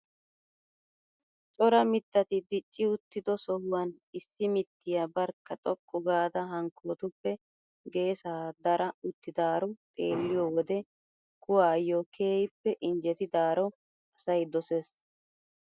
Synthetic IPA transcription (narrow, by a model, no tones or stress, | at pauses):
t͡ʃʼɔɾɐmɪt̪ːɐt̪ɪd̪ɪt͡ʃʼːɪʊt̪ːɪd̪ɔsɔhʊwɐn | ɪsːɪmɪt̪ːɪjabɐɾkːɐt̪ʼɔkʼːɔɡaːd̪ɐɦɐŋkʰːoːt̪ʊpːɛ | ɡe̞ːsaːd̪ɐɾɐʊt̪ːɪd̪aːɾɔt̪ʼḛːlːɪjɔːwɔd̪ɛ | kʊwaːjɔkʰeːjɪpːɛʔɪnd͡ʒɛt̪ɪd̪aːɾɔ | ɐsɐjd̪ɔses